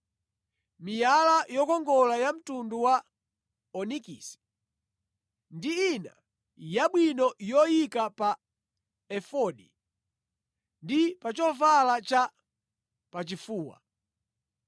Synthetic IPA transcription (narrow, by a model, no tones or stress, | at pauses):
mijalajɔkɔŋɡɔlajam̩tunduwa | ɔnikisi̥ | ndiːna̰ | jaɓwinɔjɔjikapa | ɛfɔɗḭ | ndipat͡ʃɔvalat͡ʃa | pat͡ʃifuːwa̰